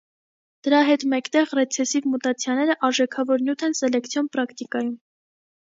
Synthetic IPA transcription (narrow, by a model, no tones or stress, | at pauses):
d̪̥əɾɑɦɛt̪mɛkt̪ɛʁrɛt͡sʰɛsivmut̪ɑt͡sʰjɑnɛɾəʔɑɾʒɛkʰɑvɔɾnjut̪ʰɛnsɛlɛkt͡sʰjɔnpɾɑkʰt̪ikɑjum